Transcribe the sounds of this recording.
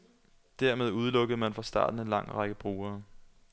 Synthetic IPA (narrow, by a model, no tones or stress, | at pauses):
d̥æɐme̝ð̞ˠuð̞ˠlɔ̽ɡ̥əð̩ˠmænfʁɑ̈sd̥ɑ̰̈ːd̥n̩e̝nlɑ̈ŋ̰ʁɑ̈ɡ̥əb̥ʁuːɐː